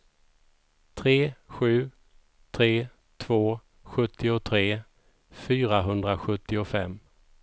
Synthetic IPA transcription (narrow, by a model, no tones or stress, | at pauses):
t̪ʰɾeːɧʉ̟ː | t̪ʰɾeː | t̪ʰv̥oː | ɧɵt̪ʰːɪʊt̪ʰɾeː | fyːɾaɦɵnd̪ɾaɧɵt̪ːɪʊfɛmː